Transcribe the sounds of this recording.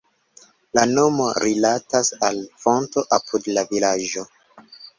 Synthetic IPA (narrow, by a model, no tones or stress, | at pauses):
lano̞mo̞ɾilatasalfo̞nto̞ʔapʰudlavilaʒo̞